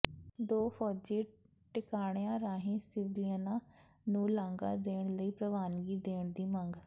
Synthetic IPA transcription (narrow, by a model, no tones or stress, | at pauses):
d̪oːfʰɔːd͡ʒeː | ʈɪkaːɳ̃jãːɾaːɦĩːsɪʋɪliənaː | nũːlãːŋɡa̰ːd̪eːɳ̃ləiːpɾəʋaːnɡiːd̪eːɳd̪iːməŋɡ